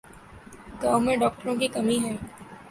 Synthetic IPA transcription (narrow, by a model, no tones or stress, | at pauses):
ɡaːmẽɖɔːk̚ʈəɾõkikɐmiɦɛː